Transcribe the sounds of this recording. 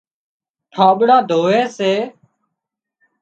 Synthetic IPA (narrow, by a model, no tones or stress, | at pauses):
ʈʰaːɓɽãːd̪ʱoːɦeːseː